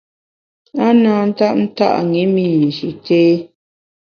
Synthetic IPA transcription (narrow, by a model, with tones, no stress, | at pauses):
a˦naː˨n̩˦ta˦˨ʔn̩˦ta̰˦ʔŋi˨˦miː˨n̩˨ʃi˨teː˦